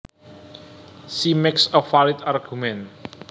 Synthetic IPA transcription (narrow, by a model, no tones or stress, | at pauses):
simɛksɔfalɪt̪arɡ̥umɛn